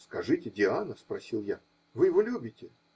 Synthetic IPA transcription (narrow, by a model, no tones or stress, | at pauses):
skɐʐɨtʲɪdʲɪanəspɾɐsʲilˠja | vɨjɪvolʲubʲɪtʲɪ